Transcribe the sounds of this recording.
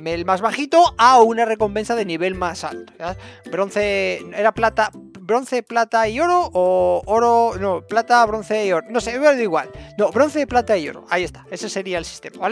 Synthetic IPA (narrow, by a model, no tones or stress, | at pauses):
melmazβaxit̪o̞aunare̞ko̞mpe̞nsaðe̞niβ̞e̞lmasa̰lt̪ojabɾo̞n̟θe̞ne̞ɾaplat̪abɾo̞n̟θe̞plat̪aio̞ɾoʔooɾonoplat̪aβ̞ɾo̞nθe̞io̞ɾono̞seβðiɣwa̰lnoβɾo̞nθeplat̪aio̞̰ɾo̞̰aie̞st̪ḁe̞se̞se̞ɾiaelsi̥st̪e̞maβae